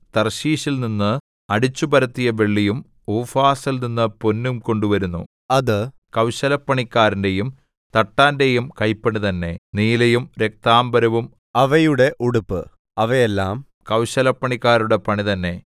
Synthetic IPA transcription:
t̪ɐrɕiːɕilninːɨ | ɐɽit͡ɕːubɐɾɐt̪ːijɐʋe̞ɭːijum | uːfaːsilninːɨponːumko̞ɳɖuʋɐɾunːṵ | ɐðɨ | kɐwɕɐlɐpːɐɳikʲːaːɾinde̞jum | t̪ɐʈːaːnde̞jumkɐjpːɐɳit̪ɐnːe̞̰niːlejumɾe̞k̚t̪aːmbɐɾɐʋum | ɐʋɐjuɽe̞ʔuɽupːɨ | ɐʋɐjelːaːm | kɐwɕɐlɐpːɐɳikːaːɾuɽe̞pɐɳit̪ɐnːe̞

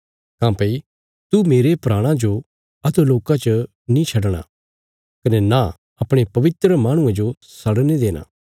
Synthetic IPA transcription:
kãːpei | t̪umeːɾepɾaːɽ̃ãd͡ʒo | ɐt̪uloːkat͡ʃə | nĩt͡ʃʰɐɽɽ̃a̰ | kɐnɛna | ɐpɽ̃epɐʋɪt̪ɾəmaːɽ̃ʊ̃ẽd͡ʒo | sɐɽned̪eːna̰ː

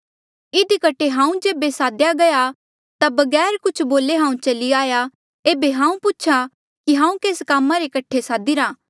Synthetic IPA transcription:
ɪd̪ikɐʈʰeɦãːũd͡ʒeːbesaːd̪jaɡɐja | t̪abɐɡɛːɾkʊt͡ʃʰboːleɦãːũt͡ʃɐliaːja | eːbeɦãːũpʊt͡ʃʰa | kiɦãːũkeːskaːmːaɾekɐʈʰesaːd̪iɾaː

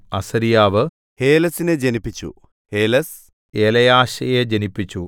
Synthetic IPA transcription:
ɐsɐɾijaːʋɨ | heːlɐsined͡ʑenipːit͡ɕːṵ | heːlɐs | elɐjaːɕɐjed͡ʑenipːit͡ɕːu

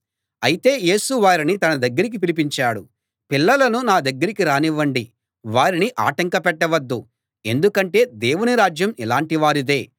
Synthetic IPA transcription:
ɐjit̪e̞ːje̞ːsuʋaːɾinit̪ɐnɐd̪ɐɡːɐɾik̬ip̬ilip̬iɲt͡ʃaːɽu | pilːɐlɐnunaːd̪ɐɡːɐɾikiɾaːniʋːɐɳɖi | ʋaːɾiniʔa̰ːʈɐŋkɐpɛʈːɐʋɐd̪ːu | e̞nd̪ukɐɳʈe̞ːd̪e̞ːwuniɾaːd͡ʒjɐmilaːɳʈiʋaːɾid̪e̞ː

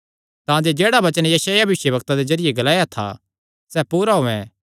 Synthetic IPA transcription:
t̪ãːd͡ʒed͡ʒeːɽabɐt͡ʃənjɐsaːjabʱʋɪʃjəbɐkt̪ad̪ezɐɾɪjeɡɐlaːjat̪ʰa̰ | sɛːpuːɾaɦoːɛ̰̃

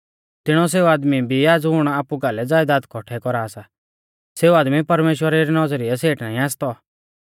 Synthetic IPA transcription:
t̪ɪɽ̃ɔs̬eːuaːd̪mibʱiaːd͡zɦʊɽ̃aaːpukaːlɛd͡zaːjd̪aːd̪kʰɔʈʰɛkɔɾaːsa | seːuaːd̪mipɐɾmeːʃwəɾɛɾinɔd͡zɾɪɛseːʈnaːĩaːst̪ɔ

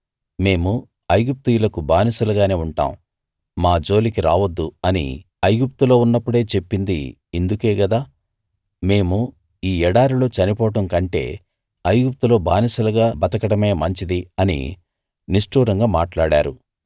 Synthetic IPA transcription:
me̞ːmu | ɐjɡup̚t̪ujulɐkubaːnisulɐɡaːne̞ːuɳʈa̰ːm | maːd͡ʒo̞ːlikiɾaːʋɐd̪ːuɐnḭ | ɐjɡup̚t̪ulo̞ːunːɐpːuɽe̞ːt͡ʃe̞pːind̪ḭ | end̪uke̞ːɡɐd̪aː | me̞ːmu | iːɛɽaːɾilo̞ːt͡ʃɐnipɔːʈɐmkɐɳʈe̞̰ː | ɐjɡup̚t̪ulo̞ːbaːnisulɐɡaːbɐt̪ɐkɐɽɐme̞ːmɐɲt͡ʃid̪iɐnḭ | niʂʈuːɾɐŋɡaːmaːʈlaːɽaːɾṵ

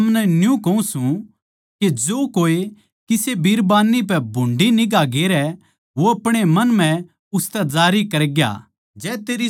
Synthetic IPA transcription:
ɐmnɛnjũkɐũsũ | ked͡ʒoːkoːe | kɪsebiːɾbaːnːip̬ɛbʱʊ̃ɳɖinɪɡaɡeːɾɛ | ʋoɐpɽ̃emɐnm̤ɛ̃ | ʊst̪ɛd͡zaːɾikɐɾɡja̰ː | d͡ʒɛːt̪eːɾi

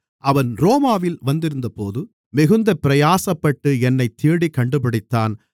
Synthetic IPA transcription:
ʔɐʋɐnɾoːmaːʋɪlʋɐnd̪ɪɾɯnd̪ɐpoːðɯ | mɪɣɯnd̪ɐpɪɾɐjaːsɐpːɐʈːɯɛnːɐɪt̪ːiːɽikːɐɳɖɯpɐɽɪt̪ːaːn

